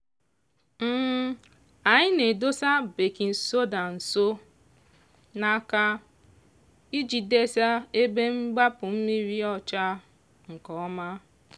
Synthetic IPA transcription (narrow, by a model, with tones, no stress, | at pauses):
m̩˦ | a˨ɲɪ˦ne˨do˦sa˦be˨ki˨n̩˨so˦da˨n̩˨so˦ | na˦ka˦ | i˦d͡ʒi˨de˦sa˦e˦be˦ŋ͡m̩˦ɡ͡ba˦pʊ˨m̩˦mi˦ɾi˦ɔ˦t͡ʃa˦ | ŋ̩˨kɔ˨˦ma˦